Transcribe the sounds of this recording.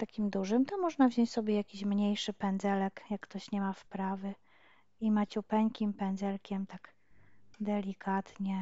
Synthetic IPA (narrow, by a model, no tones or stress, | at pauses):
t̪akʲimd̪uʐɘmt̪ɔmɔʐnavʑɔɲt͡ɕʲsɔbʲjɛjakʲiɕmɲejʂɘpɛnd̪zɛlɛkjakːt̪ɔɕɲɛmafpɾavɘ | imat͡ɕupɛŋkʲimpɛnd̪zɛlkʲɛmt̪aɡ | d̪ɛlʲikʰat̪ɲɛ